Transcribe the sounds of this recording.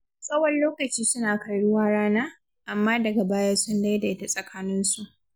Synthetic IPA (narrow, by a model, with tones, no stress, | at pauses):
sʼɐ˦wɐ˦nloː˦kɐ˨t͡ʃiː˦sʊ˦naː˨kɐ˨ɽɽʊ˦waː˦ɽaː˦naː˦ | ʔa˨mːaː˦dɐ˨ɡa˨baː˦ja˦sʊ˦nda˦jda˨˦ta˨sʼɐ˨kʰaː˦nɪ˦nsu˨ʔ